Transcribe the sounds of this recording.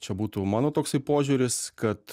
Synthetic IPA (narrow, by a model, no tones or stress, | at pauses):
t͡ʃʲɛbuːt̪uːmɑːnoːt̪oːksɐɪpoːʒʲuːɾʲɪskɐt̪